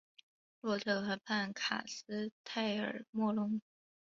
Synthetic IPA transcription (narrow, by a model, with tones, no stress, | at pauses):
lwɔ˥˩t̪ʰɤ˥˩xa˧˥pʰa˥˩nkʰa̰˨˩sɹ̩˥t̪ʰa˥˩ɪə̰˞˨˩mwɔ˥˧lʊ˥ŋ